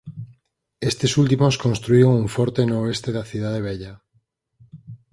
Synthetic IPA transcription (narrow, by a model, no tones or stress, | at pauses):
est̪esult̪̬imoskonst̪ɾuioŋuɱfɔɾt̪enoest̪eðaθiðað̞eβ̞eʎa